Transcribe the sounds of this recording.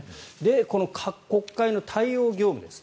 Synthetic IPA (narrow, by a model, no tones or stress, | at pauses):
d̪e̞ko̞no̞kʰakːo̞kːaino̞t̪ʰaio̞ːɡʲo̞ːmɯ̟d̪esɨ̥